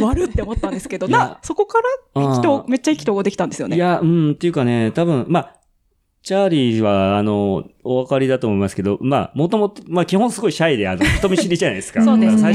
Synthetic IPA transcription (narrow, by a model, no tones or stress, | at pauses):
βaɾɯt̪ːe̞omo̞t̪ːãnd̪esɨ̥ke̞d̪onãso̞ko̞kaɾaikʲit̪oːme̞t͡ɕːaikʲi̥t̪oːɡad̪ekʲi̥t̪ãnd̪e̞sɨjo̞nejaɯ̟̃ɴt̪e̞jɯ̟kane̞t̪abɯ̟̃ɴma | t͡ɕaːɾʲiβaːno̞oβakaɾʲid̪at̪o̞ːmo̞imasɨ̥ke̞d̪o̞̰ma̰mo̞t̪o̞mo̞t̪omakʲihõsɨɡo̞iɕaid̪e̞a̰noi̥t̪o̞mʲiɕiɾʲiʑanai̥skaoea